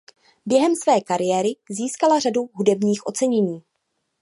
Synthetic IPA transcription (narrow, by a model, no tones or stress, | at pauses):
bjɛɦɛmsvɛːkaɾɪjɛːɾɪziːskalaraduɦudɛbɲiːxʔo̞t͡sɛɲɛɲiː